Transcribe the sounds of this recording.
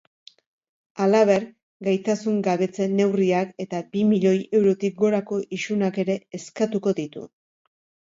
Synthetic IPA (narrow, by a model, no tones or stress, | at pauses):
alaβe̞ɾ | ɡajt̪asuŋɡaβe̞t͡se̞nːe̞wriake̞t̪abimiʎo̞je̞wɾo̞t̪ik̚ɡo̞ɾako̞ʔiʃunake̞ɾe̞ːskat̪uko̞ðit̪ṵ